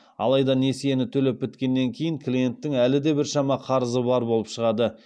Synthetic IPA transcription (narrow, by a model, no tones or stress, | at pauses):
ɑ̰lˠɑjd̪ɑne̞sije̞nɪt̪ʰɵle̞p̚bɪt̪kʲe̞nːe̞ŋkʲʰe̞jɪŋklʲije̞nt̪ːɪŋælɪd̪e̞bɪɾʃɑmɑqʰɑɾəzəbɑɾbo̞lˠəpʃəʁɑd̪ə